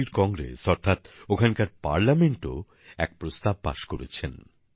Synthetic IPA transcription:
iɾkɔŋɡɾḛsɔɾt̪ʰat̪okʰankaɾpa̰ɾlameɳʈo | ɛk̚pɾost̪ab̚pa̰ʃkoɾet͡ɕʰen

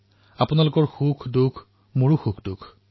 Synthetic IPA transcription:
apʊnalʊkɔɹxukʰdukʰ | muɹuxukʰdukʰ

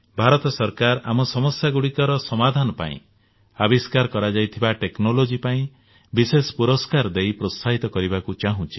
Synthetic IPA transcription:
bʱaɾɔt̪ɔsɔɾkaɾa̰mɔsɔmɔsjaɡuɽikɔɾɔsɔmad̪ʱanɔpa̰ḭ̃ | abiskaɾkɔɾad͡ʒajt̪ʰibaʈeknolod͡ʒipaĩ | bisespuɾɔskaɾd̪ejpɾost̪ʰaɦit̪ɔkɔɾibakut͡ʃaɦũt͡ʃʰi̥

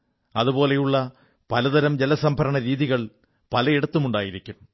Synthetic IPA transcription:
ɐðupo̞ːle̞juɭːɐ | pɐlɐðɐɾɐmd͡ʑelɐsɐmbʱɐɾɐɳɐɾiːðiɣɐɭ | pɐlɐjeɽɐt̪ːumuɳɖaːjiɾikʲːum

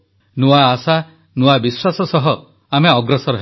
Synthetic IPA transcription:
nuaːsa | nuabiswasɔsɔɦɔ | ameɔɡɾɔsɔɾɔɦ

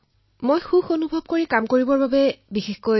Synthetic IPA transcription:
mojxuxonubʱɔb̚koɹikamkoɹibɔɹbabɛbixexko

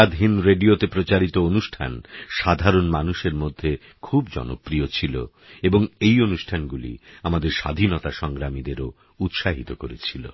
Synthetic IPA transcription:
ad̪ʱɦinɾeɖiot̪epɾot͡ɕaɾit̪oonuʃʈʰa̰nʃad̪ʱaɾonmanuʃeɾmod̪ʱːe | kʰubd͡ʑɔ̰no̰pɾiot͡ɕʰilo̰ | eboŋejonuʃʈʰanɡulḭamad̪eɾʃa̰d̪ʱinɔt̪aʃɔŋɡɾamid̪eɾo | ut̪ʃaɦit̪okoɾet͡ɕʰilo̰

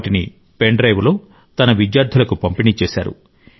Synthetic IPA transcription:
ʈinḭ | peɳɖɾɐjʋulo̞ː | t̪ɐnɐʋidjaːɾd̪ʱulɐkupɐmpiniːt͡ʃeːsa̰ːɾṵ

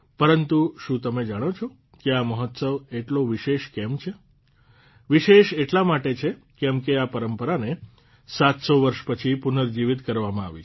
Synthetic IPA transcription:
pəɾənt̪uʃũt̪əmed͡ʒaɽ̃ot͡ʃʰo | keaməɦət̪səʋeʈloʋiʃeʃkɛmt͡ʃʰe | ʋiʃeʃeʈlamaʈet͡ʃʰe | kɛmkeapəɾəmpəɾane | sat̪soʋəɾʃpət͡ʃʰipunəɾd͡ʒiʋɪt̪kəɾʋamãa̰ʋḭt͡ʃʰ

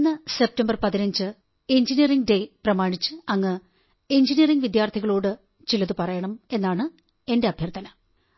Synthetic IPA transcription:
nːɨse̞p̚tɐmbɐrpɐðinɐɲd͡ʑɨ | eɲd͡ʑinijɐriŋɡde̞prɐmaːɳit͡ɕːɨɐŋːɨ | eɲd͡ʑinijɐriŋɡʋid̪jaːrt̪ʰiɣɐɭoːɽɨ | t͡ɕilɐðɨpɐrɐjɐɳɐme̞nːaːɳɨ | e̞nde̞ɐbʱjɐrt̪ʰɐnɐ

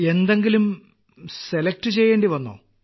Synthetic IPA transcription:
e̞nd̪e̞ŋɡilum | se̞lek̚ʈɨt͡ɕe̞jːe̞ːɳɖiʋɐnːo̰ː

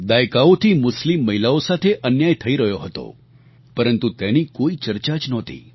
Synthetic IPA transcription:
d̪ajkaot̪ʰiːmʊslimːəɦilaosat̪ʰeʔənjajt̪ʰəiɾəɦjoɦət̪o̰ | pəɾənt̪ut̪ɛniːkoit͡ɕəɾt͡ɕat͡ɕnɔt̪ḭː

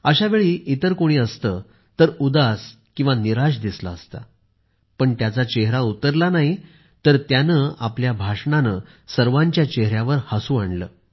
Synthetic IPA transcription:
əɕaʋeɭiːʔit̪əɾkoɽ̃iːəst̪ə | t̪əɾud̪as | kĩw̃ʋaniɾaɕ̬d̪isla̰əst̪a | pəɳt̪jat͡sat͡ɕeɦɾaut̪əɾlanaɦi | t̪əɾt̪janəːapljabʱaʂɳanə | səɾʋaɲt͡ɕjat͡ɕeɦɾjaʋəɾhasuːaɳlə̰ː

